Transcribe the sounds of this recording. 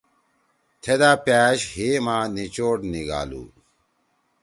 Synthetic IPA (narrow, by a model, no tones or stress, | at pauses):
t̪ʰed̪aːpæːɕɦeːmaːnit͡ɕoːʈniɡa̰ːlṵː